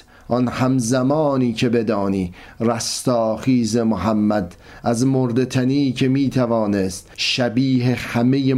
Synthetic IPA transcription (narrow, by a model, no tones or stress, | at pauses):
ʔɒnhæmzæmɒːniːcʰe̞be̞d̪ɒːniːræst̪ɒːχiːze̞moɦæmːæd̪ | æzmoɾd̪e̞t̪ʰæniːcʰe̞miːt̪ʰævɒːnest̪ʃæbiːɦe̞hæme̞je